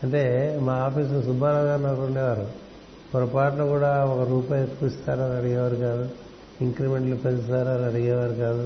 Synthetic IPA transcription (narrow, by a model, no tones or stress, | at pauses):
ɐɳʈe̞ːmaːaːpiːs̬nusubʱaːɾɐŋɡanɐuɳɖɛːʋaːɾu | pɔɾɐpaːʈɐnɐkuːɽaːɔkɐɾuːpaːjet̪kuist̪aːɾɐnɐɽiɡɛːʋaːɾikaːd̪u | iŋkɾime̞ɳʈlupɐnist̪aːɾanɐɽiɡɛːʋaːɾikaːd̪u